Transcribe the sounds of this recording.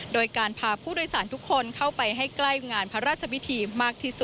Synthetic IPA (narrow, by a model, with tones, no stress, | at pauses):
doː˧jkaː˧npʰaː˧pʰuː˥˩doː˧jsaː˩˦nt̪ʰu˦˥kʰːo˧nkʰa˥˩wpa˧jɦa˥˩jkla˥˩jŋaː˧npʰa˦˥ɾaː˥˩t̪̚t͡ɕʰa˧wʰi˦˥t̪ʰiː˧maː˥˩k̚t̪ʰiː˥˩su˨˩t̚